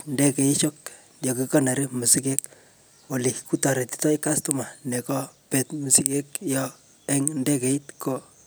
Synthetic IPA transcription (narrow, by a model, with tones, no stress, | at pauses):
nde˦ke˨i˦ʃo˦k̚ | jo˨kikɔ˦na˨ɾimu˨si˦ke˦k | wo˨li˨ku˦tɔ˨ɾe˨ti̥tɔ˦ika˦stu˦ma˨ne˨kɔ˦pe˨tmu˨si˦ke˦kjɔ | ɛ˦ŋnde˦ke˨i˦tko